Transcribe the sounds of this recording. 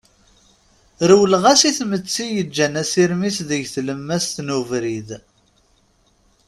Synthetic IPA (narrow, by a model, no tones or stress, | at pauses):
ɾwlʁæsiθmət͡sːijəd͡ʒːænæsiɾmisðəʝθləmːæst̪nuvɾið